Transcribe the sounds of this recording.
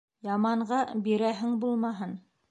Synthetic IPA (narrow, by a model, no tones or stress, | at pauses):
jɑmɑɴɢɑbiɾæɦɘŋbulˠmɑɦɤn